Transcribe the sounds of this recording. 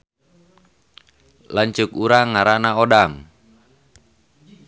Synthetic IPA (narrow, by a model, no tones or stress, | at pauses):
laɲt͡ʃʊkuɾaŋːaɾanaodaŋ